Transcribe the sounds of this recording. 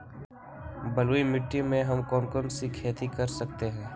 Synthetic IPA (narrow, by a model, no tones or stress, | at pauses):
bɐloimɪʈːimẽɦɐmkɔːnkɔnsikʰeːt̪ikɐɾsɐk̚t̪eɦɛ̃ː